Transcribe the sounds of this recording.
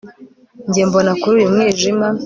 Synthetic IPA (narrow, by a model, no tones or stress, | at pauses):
ɲɟeːmbo̞nakuɾuːjumŋeːʒima